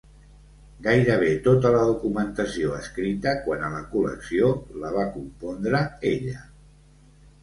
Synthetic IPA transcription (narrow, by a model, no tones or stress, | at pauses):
ɡajɾəβ̞et̪ot̪ələðukumənt̪əsioəskɾit̪əkwanələkulə̰ksioləβ̞akumpɔnd̪ɾəeʎə